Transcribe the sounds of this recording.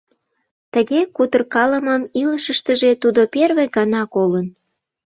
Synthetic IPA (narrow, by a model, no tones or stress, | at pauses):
t̪ə̆ɣekut̪ərkɑlə̆məmiləʃəʃt̪əʒet̪ud̪operβeɡɑnɑkolən